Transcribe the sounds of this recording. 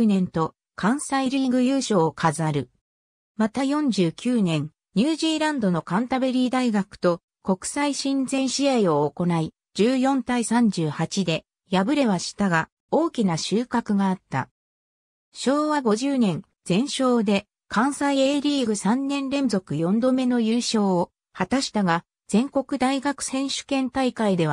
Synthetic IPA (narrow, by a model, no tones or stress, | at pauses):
nẽ̞nt̪o̞ | kʰãɰ̃saiɾʲiːɡɯ̟jɯːɕo̞ːkʰazɨaɾɯ̟ | mat̪ajõ̞ɲ̟d͡ʑɨːkʲɨːnẽ̞ŋ | ɲ̟ɨːʑiːɾãnd̪o̞no̞kãnt̪abe̞ɾʲiːd̪aiɡakɯ̟̥t̪o̞ | ko̞kɯ̟̥saiɕĩnd͡zẽ̞ɰ̃ɕiaio̞ːko̞nai | d͡ʑɨːjõ̞nt̪aisãɲ̟d͡ʑɨːhat͡ɕid̪e̞ | jabɯ̟ɾe̞βaɕi̥t̪aɡa | o̞ːkʲinaɕɨːkakɯ̟ɡaːt̪ːa̰ | ɕo̞ːβaɡo̞ʑɨːnẽ̞ŋ | d͡z̥ẽ̞ɰ̃ɕo̞ːd̪e̞ | kʰãɰ̃saieːɾʲiːɡɯ̟sãnːẽ̞nɾẽ̞nzo̞kɯ̟jõ̞nd̪o̞me̞no̞jɯːɕo̞ːo | hat̪aɕi̥t̪aɡa | d͡z̥ẽ̞ŋko̞kɯ̟d̪aiɡakɯ̟̥sẽ̞ɰ̃ɕɨ̥kẽ̞nt̪aikaid̪e̞βa